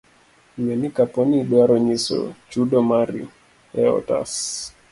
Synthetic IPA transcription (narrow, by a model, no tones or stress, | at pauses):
ɲɛnikapɔniːɗwaɾɔɲisɔ̰t͡ʃuɗɔmaɾiɔ | ɛɔ̰ta̰s